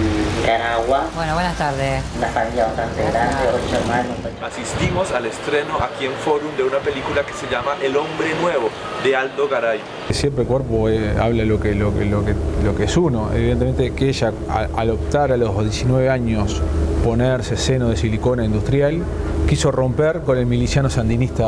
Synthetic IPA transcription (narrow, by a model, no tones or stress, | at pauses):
kaɾaɣwabwenoβwenast̪aɾðesunafamiljaβast̪ant̪eɣɾand̪eolt͡ʃeɾmanoasist̪imo̞salest̪ɾeno̞ʔakie̞ɱfo̞ɾumd̪eunape̞likulakeseʎamaʔelo̞mbɾenwe̞βo̞ | d̪ealt̪oɣaɾaj | sjempɾekweɾpoea̰βlalokelokelokelokeesunoḛβiðent̪eme̞nt̪ekeʒa | a̰a̰ðop̚t̪aɾalo̞zðje̞sinwe̞βeaɲo̞spo̞neɾsesenoðesiliko̞naĩnd̪ust̪ɾjal | kiso̞ro̞mpeɾko̞ne̞lmilisjanosand̪inist̪a